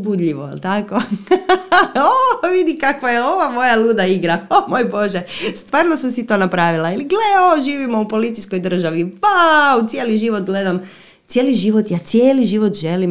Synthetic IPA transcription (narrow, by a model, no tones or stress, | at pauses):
bud̪ʎiʋo̰lt̪ako | oʋid̪ikakʋajeo̞ʋamo̞jaluːd̪aiɡɾaomoːjbo̞ʒest̪ʋaːɾnosamsit̪o̞ːnapɾaːʋilailiɡleoʒiːʋimoupo̞lit̪sisko̞jd̪r̩ʒaʋipaut̪sjeːliʒiʋot̪ɡle̞d̪am | t̪sʲjeːliʒiʋot̪jaːt̪sʲjeːliʒiːʋot̪ʒe̞lim